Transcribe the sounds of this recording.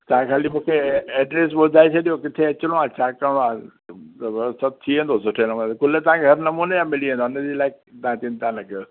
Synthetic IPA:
t̪ɐãkʰaːlimũːkʰeɛːɖɾes̬ɓod̪ʱaːet͡ɕʰɐɗijokɪt̪ʰeɐt͡ɕlõãt͡ɕaːkəɽ̃õa | sɐt̪̚t̪ʰiẽːnd̪osʊʈʰenɐmuːnt̪kʊlet̪ɐʋ̤ãkʰeɦɐɾnɐmuːnejãːmɪliẽːnd̪oːned͡ʑilaːɪk̚t̪ɐãt̪int̪anɐk

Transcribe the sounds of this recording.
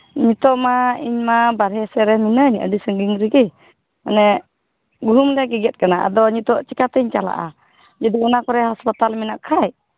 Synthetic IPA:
ɲit̪ɔʔmaiɲmabaɾɦɛsɛɾɛminəɲə̰disəŋɡiŋɾiɡi | anɛ | ɡuɦumdɛɡɛɡɛt̪̚ˀkanaʔa̰d̪ɔɲit̪ɔʔt͡ʃikat̪ɛɲt͡ʃala̰ʔa̰ | d͡ʒudiənakɔɾɛhɔspat̪alminaʔkʰaj

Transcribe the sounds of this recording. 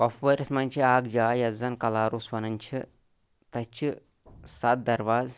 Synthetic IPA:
kɐfʋɐɾɐsmɐnʲt͡ʃʰiaːɡd͡ʒaːjɐzɐnkɐlaːɾusʋɐnɐnʲt͡ʃʰi | t̪ɐt͡ʃʰi | sat̪̚d̪ɐɾʋaːz

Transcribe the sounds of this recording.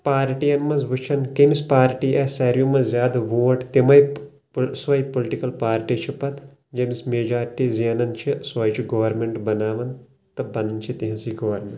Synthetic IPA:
paːɾʈijɐnmɐzʋut͡ʃʰɐnkɐmispaːɾʈiːʔɐsɐɾijumɐzʲjaːd̪ʋoːʈt̪imɐj | sʋɐjpolʈikɐlpaːɾʈiːt͡ʃʰipɐt̪ʰ | d͡ʒɐmismeːd͡ʒaːɾiʈiːzeːnɐnt͡ʃʰisɐːjt͡ʃʰiɡɐʋɐɾmeɳʈbɐnaːʋɐn | t̪ɐbɐnɐnt͡ʃʰit̪iɦɐ̃siɡɐʋɐɾmʲeɳʈ

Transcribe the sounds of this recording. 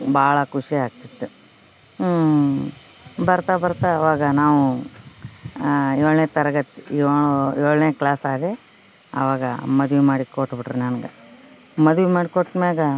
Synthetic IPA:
baːɭɐkuʂiaːɡ̚t̪id̪ːu | bɐɾt̪abɐɾt̪aɐʋaːɡɐnaːʋu | oɭneːt̪ɐɾɐɡɐt̪ːiɭoɭneːklaːsaːd̪e | ɐ̰ʋaːɡɐ̰mɐd̪ʋimaːɽikoʈːbiʈɾinɐnɡɐ | mɐd̪uʋimaːɽikoʈːmeːɡɐ

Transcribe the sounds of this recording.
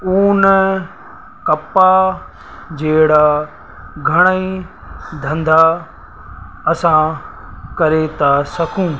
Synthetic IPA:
uːnə | kɐpa | d͡ʑeːɽa | ɡʱɐɽ̃əi | d̪ʱɐ̃nd̪a | ɐsã | kɐɾet̪ʰasɐkʰũː

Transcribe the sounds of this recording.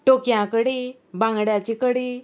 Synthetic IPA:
ʈokjãkəɽe | bãŋɡɽjat͡ɕikəɽe

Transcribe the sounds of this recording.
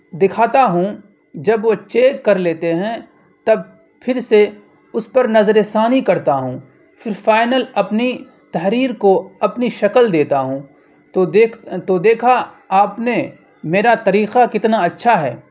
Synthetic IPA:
d̪ɪkʰaːt̪aɦũ | d͡ʒɐbʋot͡ʃeːkːɐɾleːt̪eɦɛ̃ | t̪ɐb̚ | pʰɪɾse | ʊspɐɾnɐzɾesaːnikɐɾt̪aɦũː | fɪɾfaːɪnəlɐpni | t̪ɐɦɾiːɾkoɐpniʃɐkəld̪eːt̪aɦũː | t̪od̪eːt̪od̪eːkʰa | aːpne | meːɾat̪ɐɾiːqakɪt̪naɐtːʃʰaɦɛ̰ː

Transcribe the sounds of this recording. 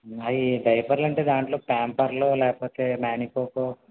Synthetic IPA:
ɐiɖɐjpɐɾlɐɳʈeːd̪aːɳʈlo̞ːpaːmpɐɾloːlɛːkɐpoːt̪eːmaːnikoːkoː

